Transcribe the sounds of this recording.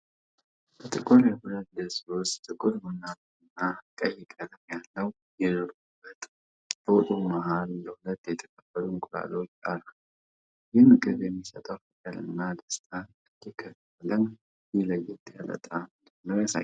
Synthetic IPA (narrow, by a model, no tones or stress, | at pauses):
bət̪ʼɨkʼuɾjɛhʊlət̪d̪əsost̪ʼɨkʼʊlmɨnal | ɨnːakʼəjːɛkʼələmjalːəw | jɛdɨɾubːət̪ʼ | b̥əwʊt̪ʼumaɦalːəhʊlət̪ːjɛt̪ʰə̥kʰʼəbəɾumkʼʊla̰lot͡ʃːʼa̰la | jɪmɨkʼɨβjɛmːisət̪ʼəwfɨkʼəlɨ̰nːad̪əst̪ʰʼa | ɨd̪ikʰːəf | lən | jɪləjɪt̪ja̰lə̰t̪ʼamd̪ənːəwasa̰j